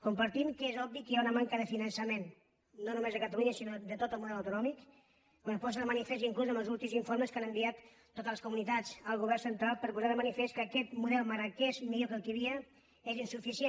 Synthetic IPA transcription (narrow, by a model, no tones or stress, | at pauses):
kumpəɾt̪imkezɔb̚bikiaunəmaŋkəðəfinənsəmen | nonumezðəkət̪əluɲəsinod̪ət̪ot̪əlˠmuðɛləwt̪unɔmik | pəpɔs̬əðəmənifest̪iŋkluzəməlˠzulˠt̪imziɱfoɾməskanəmbiat̪ː | ot̪ələskumunit̪ad͡zəlˠɣuβ̞ɛrsənt̪ɾalˠpəɾpuzaðəmənifest̪kəːkɛt̪muðɛlˠməɾəkɛzmiʎokəlˠkiβiə | ezinsufisie